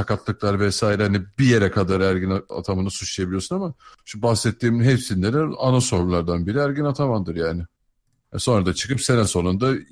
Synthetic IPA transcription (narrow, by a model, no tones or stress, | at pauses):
sakat̪lˠɯklˠaɾvɛsaːjiɾɛhanibije̞ɾɛkʰad̪aɾæɾɟinaa̰t̪ʰamɯnɯsut͡ʃʰlˠijebilʲijo̞sunamaʃubaxsɛt̪ʰːiːminɦepsinleɾɛanaso̞ɾlˠaɾd̪anbiɾiæɾɟinat̪ʰamand̪ɯɾjaːnɪ | so̞nɾad̪at͡ʃʰɯ̥kɯpse̞nɛso̞nund̪a